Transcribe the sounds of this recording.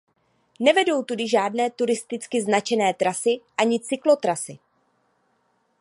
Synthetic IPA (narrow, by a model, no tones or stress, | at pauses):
nɛvɛdo̞wt̪udɪʒaːdnɛːt̪uɾɪst̪ɪt͡skɪznat͡ʃɛnɛːt̪ɾasɪʔaɲɪt͡sɪklo̞t̪ɾasɪ